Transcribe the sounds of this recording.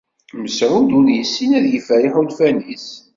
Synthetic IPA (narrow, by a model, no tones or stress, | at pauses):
məsʕud̪uɾjəsːinæðjəfæɾiħulfænis